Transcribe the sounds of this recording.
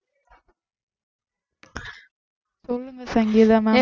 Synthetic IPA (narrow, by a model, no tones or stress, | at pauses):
sɔlːɯŋɡɐsɐŋɡiːðɐmɐ